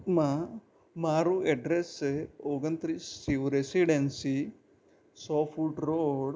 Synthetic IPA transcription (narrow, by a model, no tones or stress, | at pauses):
ma | maːɾueɖɾeseoːɡɐnt̪ɾisiʋɾesiɖensi | soːpʰulʈɾoɽ